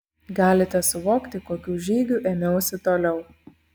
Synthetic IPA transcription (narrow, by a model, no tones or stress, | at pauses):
ɡɑːlʲɪt̪ʲɛsʊʋoːkt̪ʲɪkoːkʲuːʒʲiːɡʲuːˑʔeːmʲɛʊsʲɪt̪oːlʲɛʊ